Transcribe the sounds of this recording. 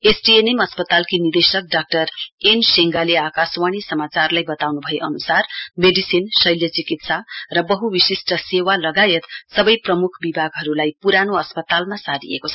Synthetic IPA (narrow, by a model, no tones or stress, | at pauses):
esʈienemʌspʌt̪alkinid̪esʌk̚ɖak̚ʈʌrenseŋɡaleakaswaɽ̃isʌmat͡sarlajbʌt̪awnubʱʌjeʔʌnusarmeɖisinsʌjljʌt͡sikit̪sarʌbʌɦuwisisʈʰʌsewalʌɡajet̪sʌbʌjprʌmukʰbibʱaɡɦʌɾulajpuɾanoʌspʌt̪almasaɾḭḛkot͡sʰʌ